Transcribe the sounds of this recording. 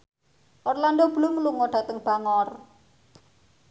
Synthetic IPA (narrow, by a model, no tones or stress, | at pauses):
ʔɔrlandob̥lʊŋluŋoɖ̥a̤t̪əŋb̥a̤ŋɔr